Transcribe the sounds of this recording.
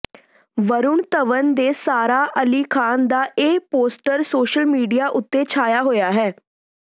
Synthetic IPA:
ʋəɾʊɳt̪əʋənd̪eːsaːɾaːʔəliːkʰaːnd̪aːʔeːpoːsʈəɾsoːʃəlmiːɖijaːʔʊt̪ːeːt͡ʃʰaːjaːɦoːjaːɦɛː

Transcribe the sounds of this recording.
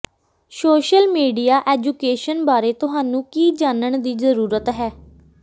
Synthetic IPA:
soːʃəlmiːɖijaːʔɛːd͡ʒuːkeːʃənbaːɾeːt̪ʊɦaːnũːkiːd͡ʒaːnəɳ̃d̪iːzəɾuːɾət̪ɦɛː

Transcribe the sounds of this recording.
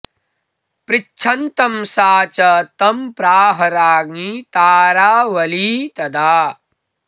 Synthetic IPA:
pɾɪt͡ʃʰɐnt̪ɐmsaːt͡ʃɐt̪ɐmpɾaːɦɐɾaːɡit̪aːɾaːʋɐliːt̪ɐd̪aː

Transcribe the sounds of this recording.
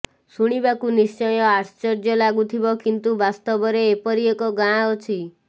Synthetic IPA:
suɽ̃ibakunist͡ʃɔjɔaɾst͡ʃɔɾd͡ʒɔlaɡut̪ʰibɔkint̪ubast̪ɔbɔɾeːpɔɾiekɔɡãot͡ʃʰi

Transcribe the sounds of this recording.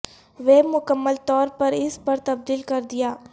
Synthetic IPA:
ʋeːmʊkəmːəlt̪ɔːɾpɐɾɪspɐɾt̪ɐb̚d̪iːlkɐɾd̪ɪjaː

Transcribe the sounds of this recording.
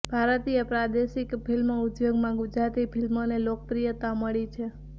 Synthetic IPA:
b̥ʱaɾət̪iepɾad̪eʃikpʰilmoʊd̪joɡmãɡʊd͡ʒɾat̪ipʰilmonelokəpɾijət̪aməɭit͡ʃʰe

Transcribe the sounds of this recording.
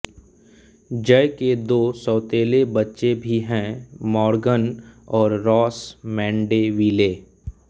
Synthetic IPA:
d͡ʒəjked̪oːsɔːt̪eːlebətːʃebʱiɦɛ̃mɔːɾɡənɔːɾːɔːsmɛ̃ːɳɖeʋiːleː

